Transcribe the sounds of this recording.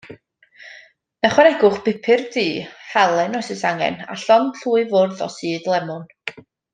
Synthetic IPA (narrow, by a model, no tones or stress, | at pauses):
naχwaɛɾɛɡʊχb̥ɪpʰɪrdiːhɛlˠɛnɔjsɪsaŋɛ̰na̰ɬɔnɬuːɨvʊrðɔ̰siːdlˠɛmʊn